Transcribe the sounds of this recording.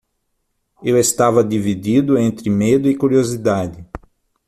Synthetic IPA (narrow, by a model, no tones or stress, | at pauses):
ewest̪avɐd̪ivid̪id̪ʊẽnt̪ɾɪmed̪ʊɪkuɾiozid̪ad̪ɪ